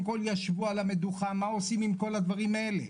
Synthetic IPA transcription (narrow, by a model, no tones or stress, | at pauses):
mko̞ljaʃvualame̞d̪uχamao̞simimko̞lad̪vaʁimae̞le